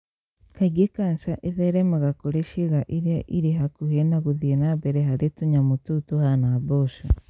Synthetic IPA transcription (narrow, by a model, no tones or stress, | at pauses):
kaɡekansaʔeðeɾemuɣakoɾeʃiɣaʔiɾjaʔiɾeɦakuhenaɣuðienabeɾeɦaɾetuɲamututuhanaβoʃo